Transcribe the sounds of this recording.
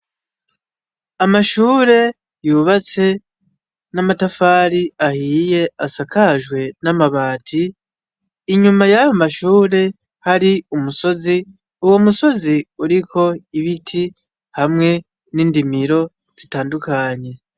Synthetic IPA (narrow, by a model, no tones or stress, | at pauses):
amaʃuːɾe̞ | juːβat͡se̞ | namatafaɾiahiːje̞asakʰaʒɡwe̞namaβaːtʰiː | ɲumajajomaʃuːɾe̞ | haɾiumuso̞zi | uwo̞muso̞ziuɾikʰo̞iβitʰi | hamŋe̞ | niːndimiɾo̞ | z̥itaːndukaɲe̞